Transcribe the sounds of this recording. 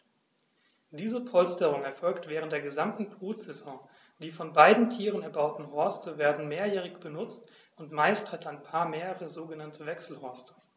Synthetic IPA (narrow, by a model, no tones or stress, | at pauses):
d̥iːzəpʰɔlstəʁ̞ʊŋɛɐfɔlktv̥ɛːʁəntd̥eːɐɡəzamtn̩pʁ̥uːz̥ɛzɔ̃ | d̥iːfɔnbaɪdn̩tʰiːʁənɛɐbaʊtn̩ɦɔɐstəveːɐdn̩meːɐjɛːʁɪçb̥ənʊt͡st | ʔʊntmaɪsthataɪnpʰaːɐmeːʁəʁəzoːɡənantʰəvɛksl̩hɔɐstə̥